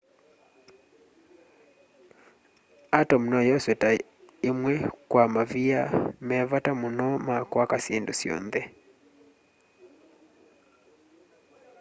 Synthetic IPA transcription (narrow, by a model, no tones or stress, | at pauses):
atɔm̩nɔjɔswɛta | imwɛkwamaviamɛvatamunɔmakwakasendusiɔ̰nðɛ